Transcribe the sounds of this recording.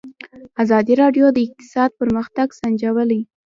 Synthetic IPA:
azɑd̪iɾɑɖjod̪əɪq̚t̪ɪ̥sɑd̪̚pəɾməxt̪aɡsand͡ʒawəlaj

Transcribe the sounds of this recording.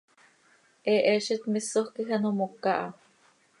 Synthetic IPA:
ʔɛʔɛʃit̪misohkixanomokaʔa

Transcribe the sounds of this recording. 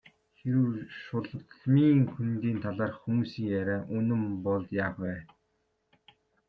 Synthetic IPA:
xeɾɘwʃʊɮ̆t̪ɮmiːŋkʰunt̪iːnt̪ʰaɮaːrxumuːsiːŋjæɾʲæːʔɵnɘ̆mpɔɮt̪jaːχwæː

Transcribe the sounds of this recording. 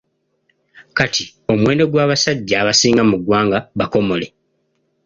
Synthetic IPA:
kati | o̞mwe̞ːndo̞ɡwaːβasaɟːaːβasiːŋɡamuɡwaːŋɡaβako̞mo̞le̞

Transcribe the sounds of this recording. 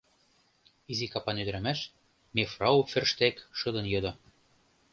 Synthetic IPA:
izikɑpɑnød̪ɘ̆ɾæmæʃ | mefrɑufĕrʃt̪ekʃɤ̆d̪ɤ̆njɤd̪ɤ̆

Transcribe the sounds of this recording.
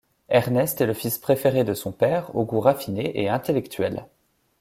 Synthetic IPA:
ɛʁnɛst̪ɛləfispχefeʁed̪əsɔ̃pɛːʁo̰ɡuʁafineʔeɛ̃t̪elɛkt̪ɥɛl

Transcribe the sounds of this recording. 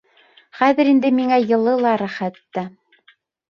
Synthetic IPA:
χæðɘ̆ɾind̪ɘmiŋæjɤ̆lˠɤlˠɑɾæχæt̪ːæ

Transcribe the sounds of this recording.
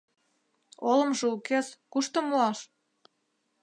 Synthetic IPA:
olə̆mʒeukeskuʃt̪ŏmuɑʃ

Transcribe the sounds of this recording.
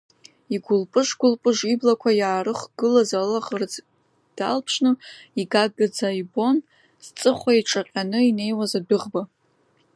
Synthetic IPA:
iɡʷʊlpʼɨʂɡʷʊlpʼɨʐiblakʷʰajaːrɨχɡɨlazalaχərd͡z | d̥a̰lpʰʂnɨiɡaɡɨd͡zaibo̞n | z̥t͡sʼɨχʷaiʈ͡ʂʼaqʲʼanɨine̞jwazadɨʁba

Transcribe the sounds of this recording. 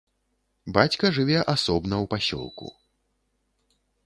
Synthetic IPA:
bat͡sʲkɐʐɨvʲɛʔasɔbnɐwpasʲɔ̰lˠkṵ

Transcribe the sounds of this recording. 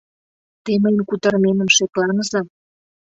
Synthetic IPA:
t̪eməjmkut̪ə̆rmemə̆mʃeklɑnəzɤ̆

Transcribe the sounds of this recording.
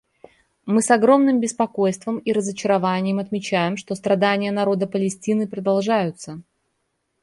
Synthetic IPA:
mɨsɐɡɾo̞mnɨmbʲɪspɐko̞jst̪vəmiɾəzət͡ɕɪɾɐvanʲɪjɪmɐt̪mʲɪt͡ɕæjɪmʂt̪o̞st̪ɾɐd̪anʲɪjənɐɾo̞d̪əpəlʲɪsʲtʲinɨpɾəd̪ɐlˠʐajʊt̪sə

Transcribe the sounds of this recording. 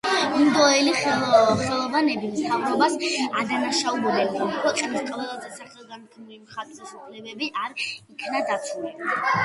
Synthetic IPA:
md̪ɔɛliχɛlˠɔvanɛbimt̪ʰavɾɔbasad̪anaʃaubuliqʼɔmɾɔqʼɛniskʼavɛlˠazɛsaχlɔɡankʰnulimχat̪ʼɛsupʰlɛbɛbiʔaɾikʰnad̪at̪sʰulɛb

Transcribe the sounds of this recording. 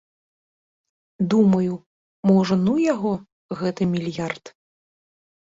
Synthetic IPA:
d̪umɐju | mɔʐɐnujaɣɔ | ɣɛt̪ɨmʲilʲjart̪

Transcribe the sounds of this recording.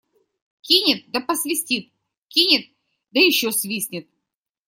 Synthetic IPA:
kʲinʲɪt̪̚d̪ɐpəsʲvʲɪsʲtʲit̪̚ | kʲinʲɪt̪̚ | d̪əjɪɕːosʲvʲisʲnʲɪt̪

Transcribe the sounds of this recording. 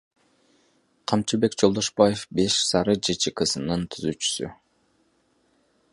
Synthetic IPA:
qʰɑmt͡ʃibe̞kd͡ʒolˠd̪o̞ʃbaje̞fbe̞ʃsɑɾɯd͡ʒet͡ʃikɯsɯnɯnt̪ʰyzyt͡ʃy̥sy̰

